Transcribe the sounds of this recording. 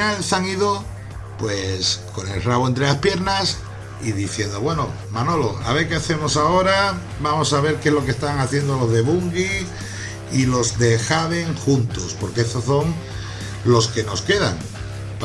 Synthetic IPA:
alsaŋiðo̞ | pwe̞sko̞ne̞lraβoe̞nt̪ɾe̞laspje̞ɾnas | iðiθje̞nd̪o̞βwe̞no̞ | mano̞lo̞a̰β̞e̞ɾke̞aθe̞mo̞sao̞ɾa | bamo̞saβ̞e̞ɾkezlo̞kest̪aŋaθje̞nd̪o̞lo̞zðe̞βuŋɡi | ilo̞zðe̞xaβe̞ŋxunt̪o̞spo̞ɾkeestoso̞ŋ | lo̞ske̞no̞ske̞ða̰ŋ

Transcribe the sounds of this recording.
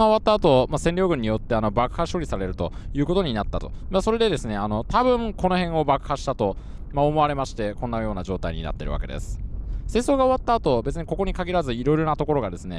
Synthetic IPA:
aoat̪ːaːt̪o̞masẽ̞nʲo̞ːɡɯ̟̃ɲ̟ːijot̪ːe̞ano̞bakɯ̟haɕo̞ːɾʲisaɾe̞ɾɯ̟t̪o̞̰jɯ̟ːko̞t̪o̞ɲ̟inat̪ːat̪o̞̥̰maso̞ɾe̞d̪e̞d̪e̞sɨne̞ano̞t̪abɯ̟̃ŋko̞no̞hẽ̞ɰ̃o̞bakɯ̟̥haɕi̥t̪at̪o̞ | mao̞mo̞aɾe̞maɕi̥t̪e̞kõ̞nːajo̞ːnaʑo̞ːt̪aiɲ̟ḭna̰t̪ːḛɾɯ̟βa̰ke̞d̪e̞̰sɨ̥se̞ːso̞ːɡao̞βat̪ːaːt̪o̞be̞t͡sɨɲ̟iko̞ko̞ɲ̟ikaɡʲiɾazɨiɾo̞iɾo̞nat̪o̞ko̞ɾo̞ɡad̪e̞sɨne̞̰

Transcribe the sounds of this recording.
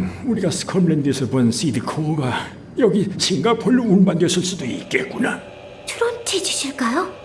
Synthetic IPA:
uɾiɡasɯ̥kʰʌmlend̪esʰʌbʌnsid̪ɯkʰoɡa | jʌɡit͡ɕʰiŋɡapʰoɭːumunbandwesʰɯɭs͈udoik͈̚et̚k͈una | t͡ɕʰɯɾʌntʰet͡ɕuɕʰiɭkajo

